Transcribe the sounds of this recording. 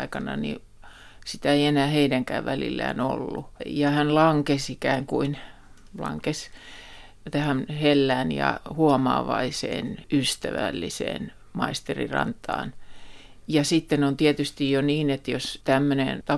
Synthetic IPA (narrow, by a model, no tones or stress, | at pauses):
ikɑnɑnḭ | sit̪æeienæːheidæŋkæ̰ːʋʋælḭlːæ̰ːno̰lːujɑhænlɑŋkesikæːŋkuin | lɑ̰ŋkes | t̪æhænhelːæːnjɑ̰huomɑ̰ːʋɑisḛːnyst̪æʋælːisḛːn | mɑist̪erḭrɑ̰nt̪ɑ̰ːn | jɑsit̪ːenont̪iet̪yst̪ijjoniːnet̪jost̪æmːønḛnt̪ɑ